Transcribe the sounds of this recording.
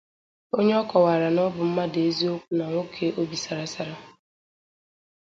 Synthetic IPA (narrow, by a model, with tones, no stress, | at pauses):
o˦ɲe˦ɔ˦kɔ˨wa˨ɾa˨nɔ˦bʊ˨m̩˦ma˦de˦zi˦o˦kʷu˦na˨ŋʷo˦kʰe˦ʔo˦bi˨sa˨ɾa˦sa˨ɾa˦